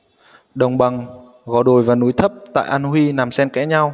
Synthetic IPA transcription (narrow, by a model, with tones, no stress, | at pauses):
ɗə˨˩wŋ͡mɓa˨˩ŋ | ɣɔ˨˦ɗo˨˩jvaː˨˩nu˨˦jt̪ʰə˦˥p̚t̪a̰ː˧˨jʔa˧nhwi˧na˨˩msɛ˧nkɛ˧˦˥ɲa˧w